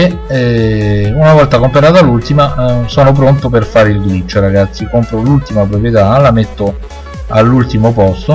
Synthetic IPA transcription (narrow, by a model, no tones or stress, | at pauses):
eɛ | unavɔlt̪akompaɾaːt̪alult̪imasɔːnop̬ɾont̪operfaːɾilɡɾit͡ʃːoɾaɡat̪sːikompɾolult̪imap̬ɾopɾjet̪alamet̪ːo | alːult̪imopɔst̪o